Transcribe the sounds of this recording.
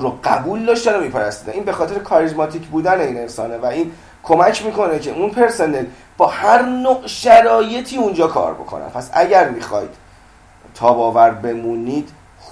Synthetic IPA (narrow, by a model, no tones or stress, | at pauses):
ɾoɢæbuːld̪ɒːʃt̪ænomiːpʰæɾæst̪iːd̪æniːnbe̞xɒːt̪ʰeɾekʰɒɾizmɒt̪ʰiːcʰbuːd̪æne̞iːne̞nsɒ̰ːnevæiːn | kʰo̞mæcʰmiːkʰo̞ne̞cʰe̞ʔunpʰe̞ɾse̞ne̞l | b̥ɒːhæɾnoʔʃæɾɒːje̞t̪ʰiːund͡ʒɒːkʰɒ̰ːɾbo̞̰kʰo̰næ̰npʰæsæ̰ɟæɾmixɒ̰ːjd̪̥ | t̪ʰɒːbɒːvæɾbe̞munid̪̥